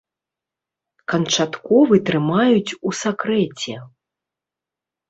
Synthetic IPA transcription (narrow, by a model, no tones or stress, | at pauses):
kɐnt͡ʂat̪kɔvɨt̪ɾɨmajut͡sʲusakɾɛt͡sʲɛ